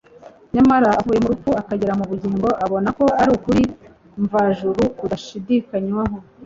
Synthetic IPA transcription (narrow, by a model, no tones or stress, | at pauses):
ɲamaɾaavuːje̞muɾup͡fuakaɟeɾamuβuɟiːŋɡo̞ʔaβo̞nako̞aɾuːkuɾi | ɱvaʒuɾukudaʃidikaɲwaɦo̞